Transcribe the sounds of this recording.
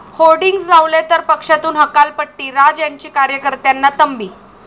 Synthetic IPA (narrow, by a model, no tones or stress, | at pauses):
holɖiŋɡsd͡zaʋlet̪əɾpəkʂat̪uːnɦəkalpəʈːiːɾad͡zjaɲt͡ɕiːkaɾjəkəɾt̪janːat̪əmbiː